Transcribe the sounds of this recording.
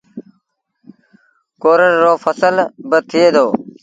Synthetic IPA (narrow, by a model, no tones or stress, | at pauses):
koːɾəɾːoːfəsəlbət̪ʰɪeːd̪oː